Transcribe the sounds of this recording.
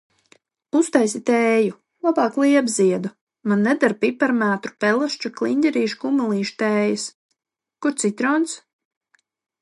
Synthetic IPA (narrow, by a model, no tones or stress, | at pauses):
ust̪ajsit̪ɛːju | lˠabɑːklˠiɛbziɛd̪u | manːɛd̪aɾpipaɾmaːt̪ɾu̥pɛlˠaʃt͡ʃuklˠinʲd̪ʲɛɾiːʃkumalˠiːʃt̪ɛːjɨs | kuɾt̪sit̪ɾɔːns